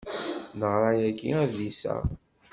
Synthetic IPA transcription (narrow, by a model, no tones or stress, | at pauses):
nəʁɾˤɑjækːḭæðisæ̰